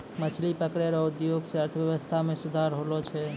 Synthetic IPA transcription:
mət͡ʃʰlipəkɾeɾɔud̪joɡseəɾt̪ʰəʋjəʋəst̪ʰamẽsud̪ʱaɾɦolot͡ʃʰɛ

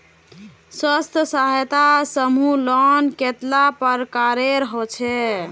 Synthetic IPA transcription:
swəst̪ʰəsaɦjt̪asəmulɔnket̪lapəɾkaɾeɾəɦɔt͡ʃʰɛ

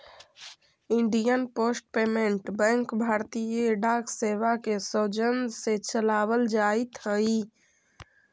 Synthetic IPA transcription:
iɳɖijənposʈ̚pemeɳʈbɛ̃ŋkbʱaɾt̪ijəɖakseʋakesəd͡ʒənset͡ʃəlabəld͡ʒait̪ɦəi

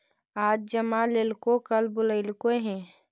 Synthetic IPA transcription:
aːd͡ʒ̚d͡ʒəmaleːlkokəlbʊləɪlkoɦɛ̃ː

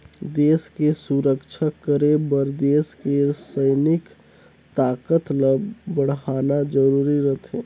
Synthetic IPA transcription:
d̪eːskesuɾəkt͡ʃʰəkːəɾebəɾd̪eːskeɾsəɪnɪk | t̪aːkət̪ləbbəɽ̤ɦaːnad͡ʒəɾuːɾiɾət̪ʰẽː

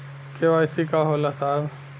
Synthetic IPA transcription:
keʋaɪsikaɦolasaːb

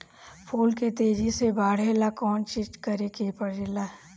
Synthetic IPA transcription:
pʰoːlket̪eːd͡ʒisebaːɽ̤eːlakɔːnt͡ʃɪd͡ʒkɐɾekepɐɽelaː

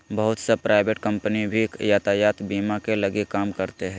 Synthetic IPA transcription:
bəɦʊt̪sepɾaːɪʋeʈkɐ̃mpənibʱikjaːt̪ajaːt̪biːmakelɐɡekaːmkɐɾt̪eɦɛ̃ː

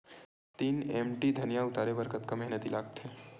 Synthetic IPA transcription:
t̪iːnemʈid̪ʱənjaʊt̪aːɾebəɾkət̪kamɛɦnət̪ilaːɡt̪ɦe

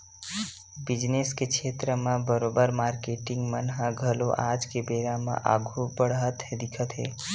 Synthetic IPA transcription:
bid͡ʒneskekʰet̪ɾəmãbəɾobəɾmaɾkeʈiŋɡmənɦãɡʱəloʔad͡ʒkebeɾamã̰ʔa̰ɡʱubəɽɦət̪ɦed̪ikʰət̪ɦḛ

